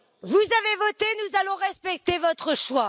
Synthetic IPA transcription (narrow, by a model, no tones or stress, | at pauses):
vuzavevɔt̪enuzalɔ̃ʁɛspɛk̚t̪evɔt̪χəʃwa